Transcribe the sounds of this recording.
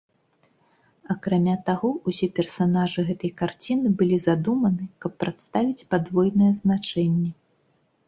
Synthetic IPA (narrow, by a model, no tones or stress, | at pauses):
ɐkɾamʲat̪aɣɔusʲɛpʲɛrsanaʐɨɣɛt̪ɐjkart͡sʲinɨbɨlʲizad̪umɐnɨkɐpːɾat̪st̪avʲit͡sʲpad̪vɔjnɐjɛznat͡ʂɛnʲːɛ